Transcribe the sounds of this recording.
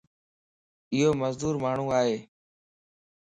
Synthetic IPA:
ɪɦoːməzd̪uːɾmaːɳ̤ũːaːɦeː

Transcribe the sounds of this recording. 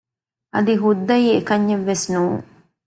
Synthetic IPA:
ʔɐd̪iɦud̪ːɐjiːekɐɲːeʋːesnuːŋ

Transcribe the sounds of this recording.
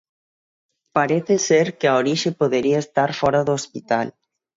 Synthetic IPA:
paɾeθeseɾkeaoɾiʃepoðeɾiaest̪aɾfɔɾaðoospit̪al

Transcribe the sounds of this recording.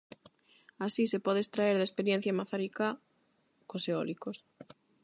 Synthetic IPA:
asisepɔðest̪ɾaeɾðespeɾjen̟θjamaθaɾika | koseɔlikos

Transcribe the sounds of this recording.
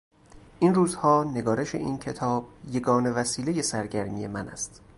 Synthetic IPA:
ʔiːnruːzhɒːne̞ɡɒːɾe̞ʃe̞̰ʔiːncʰe̞t̪ʰɒːb̥̚je̞ɡɒːne̞væsiːleje̞sæɾɟæɾmije̞mænæ̰st̪

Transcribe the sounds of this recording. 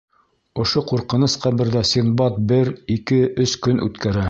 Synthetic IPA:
ŏʃoquɾqɤ̆nɤsqæβɘ̆ɾðæsʲinbɑt̪̚bɘɾikɘɵskɵnʔʉ̰t̪kæɾæ

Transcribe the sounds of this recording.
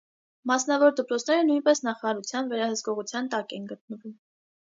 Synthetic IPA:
mɑsnɑvɔɾd̪əpɾɔt͡sʰnɛɾənujnpɛsnɑχɑɑɾut͡sʰjɑnvɛɾɑhəskɔʁut͡sʰjɑnt̪ɑkɛnɡət̪̚nəvum

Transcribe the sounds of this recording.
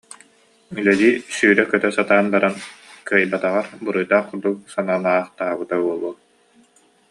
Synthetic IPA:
ylɛd̪iːsyːɾɛkœt̪œsat̪aːnbaɾankɯjbat̪aʁaɾbɯɾɯjd̪aːχquɾd̪uk̚sanaːnaːχt̪aːbɯt̪auɔlˠuɔ

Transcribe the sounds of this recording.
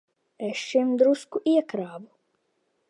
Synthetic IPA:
ɛʃʃimd̪ɾuskuʔiɛkɾaːbu

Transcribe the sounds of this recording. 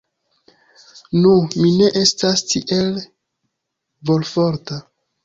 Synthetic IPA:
numine̞ʔe̞stastiʔe̞l | vo̞lfo̞ɾta

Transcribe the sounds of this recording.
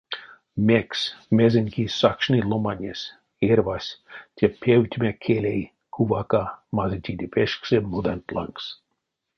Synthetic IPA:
mʲeksʲmezenʲkisɑkʃnʲilˠomanʲesʲ | ervasʲt̪ʲepʰewt̪ʲmekʰelʲej | kʰuvɑkamazet̪ʲid̪ʲipʰeʃksemud̪ent̪lɑ̰ŋks

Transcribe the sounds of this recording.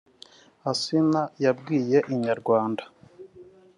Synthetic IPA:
asinajabɡiːje̞ʔiɲaɾɡwaːnda

